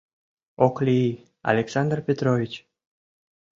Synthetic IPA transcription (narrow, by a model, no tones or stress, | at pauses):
oklii | a̰lʲeksɑnd̪rpʲet̪ɾovʲit͡ɕ